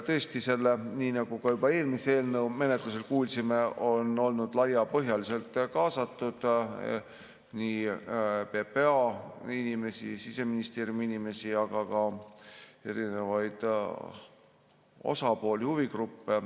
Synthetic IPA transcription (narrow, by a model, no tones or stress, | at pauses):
t̪ɤːst̪ise̞lːeniːnɑɡ̥ukɑjubɑe̞ːlmisee̞ːlnɤwme̞net̪lus̬e̞lkuːlʲsime̞ʔo̞no̞lnud̪̥lɑjːɑpɤɦjɑlise̞lt̪ˑkɑːsɑt̪ːud̪̥ | niːpe̞peɑinime̞sḭsise̞minist̪erjuminime̞siɑɡ̥ɑkɑ | e̞̰ɾine̞vɑjd̪̥ | o̞̰sɑpo̞ːlʲihuviɡrupːe̞